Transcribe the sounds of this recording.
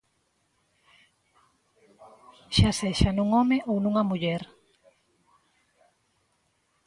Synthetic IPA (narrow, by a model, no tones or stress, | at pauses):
ʃaseʃanũŋomeʔownũŋɐmuʎɛɾ